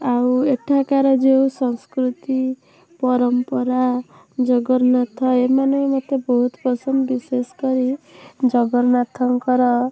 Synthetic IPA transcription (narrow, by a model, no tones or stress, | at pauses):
aweʈʰakaɾɔd͡ʒewsɔŋskɾut̪i | pɔɾɔmpɔɾa | d͡ʒɔɡɔɾnat̪ʰɔemanɔŋemɔt̪ːebɔɦut̪pɾɔsɔmbiseskɔɾid͡ʒɔɡɔɾnat̪ʰɔŋkɔɾɔ